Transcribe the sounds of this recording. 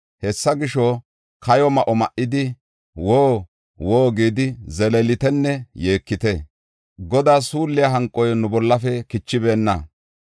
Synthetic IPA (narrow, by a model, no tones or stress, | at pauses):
hɛsːɐɡɪʃɔ | kʰɐjɔmɐʔɔmɐʔɪd̪ɪ | woː | woːɡiːd̪ɪzɛlelɪt̪ɛnːɛje̞ːkːɪt̪ɛ | ɡɔd̪aːsuːlːɪjaɦɐŋkʼɔjnʊbɔlːɐfɛkɪt͡ʃːɪbe̞ːnːɐ